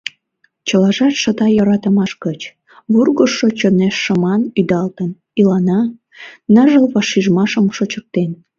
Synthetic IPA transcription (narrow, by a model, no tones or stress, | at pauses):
t͡ɕəlɑʒɑt̪ʃə̆t̪ɑjəɾɑt̪əmɑʃkət͡ɕ | βurɣəʃːot͡ɕoneʃːəmɑnyd̪ɑlt̪ən | ilɑnɑ | nəʒəlβɑʃiʒmɑʃəmʃot͡ɕək̚t̪en